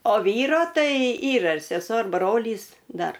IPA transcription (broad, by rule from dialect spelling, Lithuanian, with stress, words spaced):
oː ˈʋʲiːroː ˈtɐɪ ˈiːrɐ ɪr sʲɛˈsuɔ ɪr ˈbroːlʲiːs ˈdɐr